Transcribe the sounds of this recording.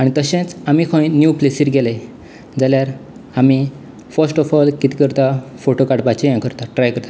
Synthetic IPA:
aɽ̃it̪əɕẽt͡samikʰõĩnjuplesiːɾɡele | d͡zaljaɾ | ami | fəɾsʈɔfɔlkit̪ikəɾt̪afoʈokaɽpat͡ɕijãkəɾt̪aʈɾajkəɾt̪a

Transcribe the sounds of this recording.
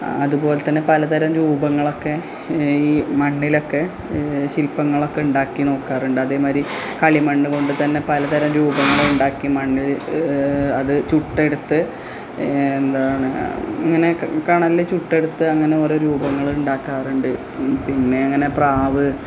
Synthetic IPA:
ɐ̰ðupo̞ːlet̪ːɐnːe̞pɐlɐt̪ɐɾɐmɾuːbɐŋːɐɭo̞kːe̞ | iːmɐɳːilo̞kːe̞ | ɕilpːɐŋːɐɭo̞kːe̞uɳɖaːkːino̞ːkːaːruɳɖɨɐðe̞ːmaːɾi | kɐɭimɐɳːɨko̞ɳɖɨt̪ɐnːe̞pɐlɐt̪ɐɾɐmɾuːbɐŋːɐɭuɳɖaːkːimɐɳːil | ɐðɨt͡ɕuʈːe̞ɽut̪ːɨ | end̪aːɳɨɐŋːɐne̞kaːɳɐlːet͡ɕuʈːe̞ɽut̪ːɨɐŋːɐne̞o̞ːɾo̞ːɾuːbɐŋːɐɭiuɳɖaːkːaːruɳɖɨ | pinːe̞ɐŋːɐne̞praːʋɨ

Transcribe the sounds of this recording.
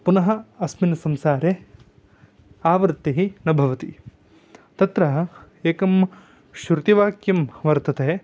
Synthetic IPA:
punɐɦɐɐsminɐsɐmsaːɾe | aːʋɾt̪ːiɦinɐbʱɐʋɐt̪i | t̪ɐt̪ɾɐɦɐ | eːkɐm | ʃɾut̪iʋaːkjɐmʋɐɾt̪ɐt̪e

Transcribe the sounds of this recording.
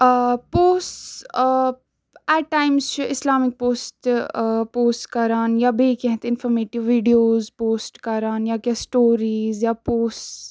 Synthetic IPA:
poːsʈ | ɛːʈʈaːɪmzt͡ʃɪslaːmɪk̚poːsʈpoːsʈkɐɾaːnjaːbʱekɛ̃ɦt̪ɪnfʰɔːɾmeːʈɪʋːiːɖijoːzpoːsʈkɐɾaːnjakjasʈoːɾiːzjaːpoːsʈs

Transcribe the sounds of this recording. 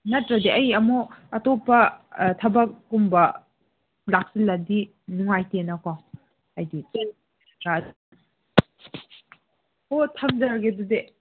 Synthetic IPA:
nɐtɾɐdeʔɐjɐmoɐtɔpɐtʰɐbɐkːumbɐ | lak̚silːadi | nuŋajtenɐkɔŋ | ɐjdit͡ʃen | ɡa | otʰɐmzɐɾɡedude

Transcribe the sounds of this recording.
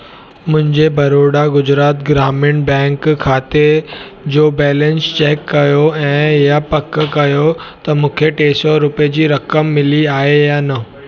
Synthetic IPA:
mʊ̃ɦɪ̃ɲd͡ʑebɐɾoɽaɡʊd͡ʑɾaːt̪ɡɾamɪɳbɛ̃ŋkkʰːaːt̪e | d͡ʑobɛːlẽnst͡ɕekːɐjoɛ̃ɦjapɐkːəkɐjot̪ɐmũːkʰeʈeːsoɾʊpjed͡ʑiːɾɐkəmːɪliaːɦejanə

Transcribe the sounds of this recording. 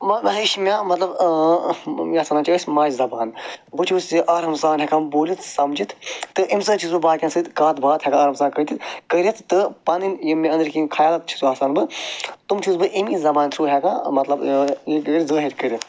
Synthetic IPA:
mɐmɐɦiʃmʲãːmɐt̪lɐb | maːsaːnaːt͡ʃɐːsʲmaːd͡ʒzɐbaːnbɨt͡ʃʰusʲiʔaːɾɦɐmsaːnɦʲɛkãːnboːlit̪ʰsɐmd͡ʒit̪ʰt̪ɨʔimsɨt͡ʃʰizubaːkʲãːnsɨt̪kaːt̪bʱaːt̪hʲɛkãaːɾɦɐmsaːnkət̪it̪kəɾʲɐt̪ʰt̪ɨpɐninjimʲẽɐnd̪ɨɾkikʰaːjaːlɐt̪̚t͡ʃʰi̥suaːsaːnbɨt̪umt͡ʃʰuzbɨʔimizɐbaːnt̪ʰɾuːɦʲɛkãːmɐt̪lɐbɐɡəɾʲzɐːɦiɾʲkəɾʲit̪ʰ

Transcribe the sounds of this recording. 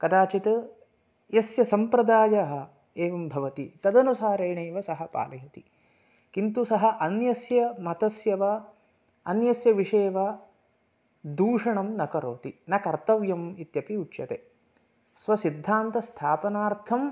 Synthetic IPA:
kɐd̪aːt͡ʃit̪ɐ | jɐsjɐsɐmpɾɐd̪aːjaɦɐ | eːʋɐmbʱɐʋɐt̪it̪ɐd̪ɐnusaːɾeːɳeːʋɐsɐɦɐpa̰ːlɐjɐt̪i | kint̪usɐɦɐ̆ʔɐnjɐsjɐmɐt̪ɐsjɐʋa | ɐnjɐsjɐʋiʂeːʋa | d̪uːʂɐɳɐmnɐkɐɾoːt̪inɐkɐɾt̪ɐʋjɐmit̪jɐpiutʃɐt̪eː | sʋɐsid̪ʱːaːnt̪ɐst̪ʰaːpɐnaːɾt̪ʰɐm

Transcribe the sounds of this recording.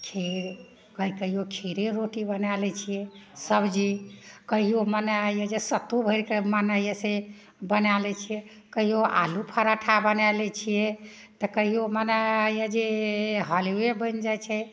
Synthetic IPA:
kʰi | kəikəɦijokʰiɾeɾoʈibənalɛt͡ʃʰijɛsəbd͡ʒikəɦijomənajed͡ʒesət̪ubʱəɾkemanajəse | bənalɛt͡ʃʰijɛ | kəɦijoʔa̰lupʰaɾaʈʰabənalɛt͡ʃʰijɛ | t̪əkəɦijomənajəd͡ʒeɦɔliwebənd͡ʒajt͡ʃʰɛ

